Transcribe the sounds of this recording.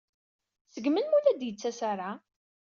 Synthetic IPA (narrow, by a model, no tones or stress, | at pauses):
səɡmənmulæd̪jət͡sːæsaɾˤa